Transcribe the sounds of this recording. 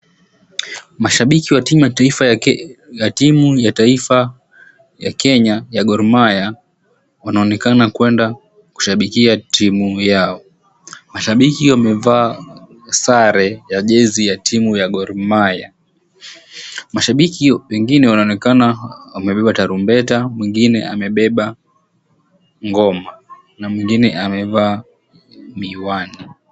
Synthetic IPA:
maʃaɓikiwatiaif | jatimujataifa | jakɛɲajaɠɔɾmaja | wanaɔnɛkanakwɛnda | ku̥ʃaɓikiatʰimujaɔ | maʃaɓikiwamɛvaː | saɾɛjaʄɛzijatʰimujaɡɔɾimaja | maʃaɓikiwɛŋɡinɛwanaɔnɛkanawamɛɓɛɓataɾumbɛtamwiŋɡinɛamɛɓɛɓa | ŋɡɔma | namwiŋɡinɛamɛvaː | miwani

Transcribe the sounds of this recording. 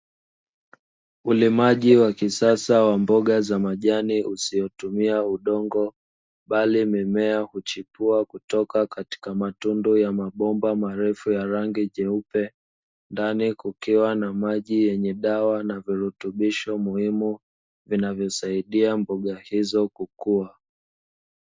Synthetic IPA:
ulimaʄiwakisasawambɔɠazamaʄaniusiɔtumiauɗɔŋɡɔ | ɓalimɛmɛahut͡ʃipuakutɔkakati̥kamatundujamaɓɔmbamaɾɛfujaɾaŋɡiʄɛupɛ | ndanikukiwanamaʄijɛɲɛɗawanaviɾutuɓiʃɔmuhimu | vinavjɔsaiɗiambɔɠahizɔkukua

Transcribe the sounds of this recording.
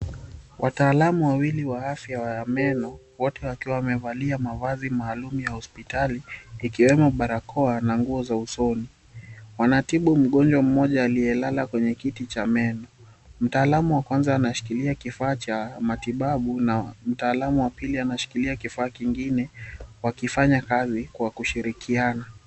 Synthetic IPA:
wʔataːlamuwawiliwaafjawaamɛnɔ | wɔtɛwakiwawamɛvaliamavazimaːlumujahɔspitaliːkiwɛmɔɓaɾakʰɔanaŋɡuɔzausɔni | wanatiɓum̩ɠɔnd͡ʒwam̩mɔʄaːlijɛlalakwɛɲɛkitit͡ʃamɛnɔ | m̩taːlamuwakwanzaːnaʃi̥kiliakifaːt͡ʃamatiɓaɓunam̩taːlamuwapilianaʃi̥kiliakifaːkiŋɡinɛwakifaɲakazikwakuʃiɾikʰiana

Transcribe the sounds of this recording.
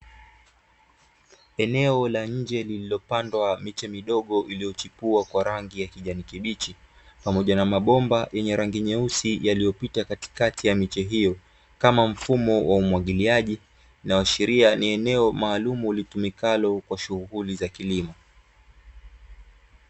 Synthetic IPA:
ɛnɛɔlaɲ̩d͡ʒɛlililɔpandwamit͡ʃɛmiɗɔɠɔʔilijɔt͡ʃipuakwaɾaŋɡijakiʄanikiɓit͡ʃi | pamɔʄanamaɓɔmbajɛɲɛɾaŋɡiɲɛusijalijɔpitakati̥katijamit͡ʃɛɦijɔ | kamam̩fumɔwaumwaɠiliaʄi | nawaʃɛɾianiɛnɛɔmaːlumuːlitumikalɔkwaʃuɣulizakilimɔ

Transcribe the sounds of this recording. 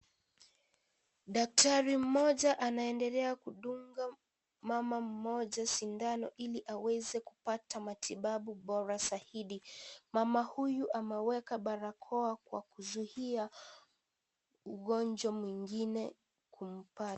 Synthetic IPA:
ɗak̚taɾim̩mɔʄaʔanaɛndɛlɛakuɗuŋɡa | mamam̩mɔʄasindanɔ̰ʔiliʔawɛzɛkupatamatiɓaɓuɓɔɾasahiɗimamahujuʔamɛwɛkaɓaɾakʰɔakwa̰kuzuhia | uɣɔnd͡ʒwamwiŋɡinɛ | kum̩pa

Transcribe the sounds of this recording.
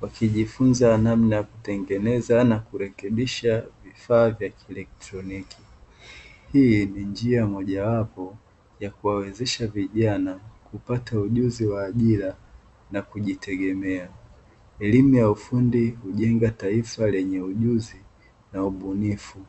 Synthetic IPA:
wakiʄifunzanamnajaku̥tɛŋɡɛnɛzanakuɾɛkɛɓiʃavifaːvjakiɛlɛk̚tɾɔniki̥ | hijinind͡ʒiamɔʄawapɔ | jakuwawɛzɛʃaviʄanakupatauʄuziwaːʄila | nakuʄitʰɛɠɛmɛa | ɛlimujaufundihuʄɛŋɡataifalɛɲɛuʄuzi | nauɓunifu

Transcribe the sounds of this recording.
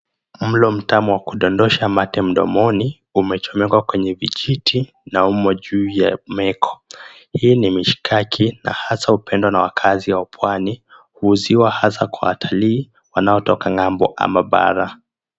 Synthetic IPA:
mm̩lɔm̩tamuwakuɗɔndɔʃamatɛm̩ɗɔ̰mɔni | umɛt͡ʃɔmɛɡwakwɛɲɛviʄitʰi | naumɔʄuːjamɛkʰɔ̥ | hiːnimiʃi̥kʰakʰina̰hasaupɛndwanawakʰaziawapʰwani | huːziwahasakwa̰wa̰tʰaliː | wanaɔtɔkaŋambɔ̰ʔa̰maɓa̰ɾa

